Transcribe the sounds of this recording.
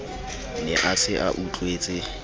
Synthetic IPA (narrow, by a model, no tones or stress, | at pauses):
nɛʔasɪʔaʔut͡ɬʼweːt͡sʼɪ